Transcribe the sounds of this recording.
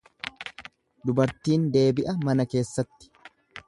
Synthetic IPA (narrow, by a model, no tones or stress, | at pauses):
d̪ʊbɐɾt̪iːnd̪e̞ːbɪʔɐmɐnɐke̞ːsːɐt̪ːɪ̥